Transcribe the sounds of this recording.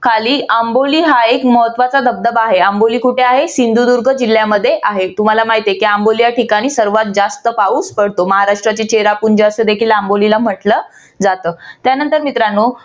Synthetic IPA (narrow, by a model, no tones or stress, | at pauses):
kʰaliːamboliːɦaekməɦət̪ʋat͡sad̪ʱəb̚d̪əbaɦeamboliːkuʈʰeaɦesind̪ʱud̪uɾɡʱəd͡ʑil̤ːjaməd̪ʱːjeʔaɦet̪um̤alamaɦit̪ekiambolijaʈikaɽ̃iːsəɾʋat̪̚d͡zast̪əpauːspəɽ̤t̪oməɦaɾaʂʈɾat͡ɕit͡ɕeɾapuɳd͡ʑeəsed̪ekʰiːlambolilam̤əʈlə | d͡zat̪əːt̪janənt̪əɾmit̪ɾanːo